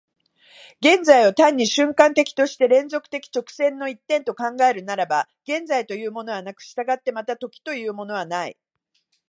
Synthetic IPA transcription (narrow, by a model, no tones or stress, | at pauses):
ɡẽ̞nd͡zaiot̪ãɲ̟ːiɕɨ̃ŋkãnt̪e̞kʲi̥t̪o̞ɕi̥t̪e̞ɾẽ̞nzo̞kɯ̟̥t̪e̞kʲi̥t͡ɕo̞kɯ̟̥sẽ̞nːo̞it̪ːẽ̞nt̪o̞kãŋɡae̞ɾɯ̟naɾabaɡ̥ẽ̞nd͡zait̪o̞jɯ̟ːmo̞no̞βanakɯ̟̥ɕi̥t̪aɡat̪ːe̞mat̪at̪o̞kʲi̥t̪o̞jɯ̟ːmo̞no̞β̞anaḭ